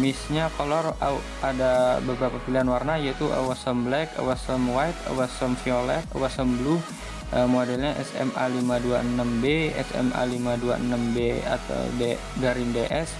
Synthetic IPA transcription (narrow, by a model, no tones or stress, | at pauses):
misɲakolɔra | adabəbɾapapiliɦanwarnajait̪uʔa̰wasəmblɛkə̰wasəmwajt̪̚ə̰wasəmfiolɛk̚ə̰wasəmblu | ʔəmodɛlɲaʔɛ̰sɛ̰ma̰limaduaənəmbeɛ̰sɛ̰mʔa̰limadua̰ənəmbea̰t̪a̰wde | ɡaɾindeʔɛs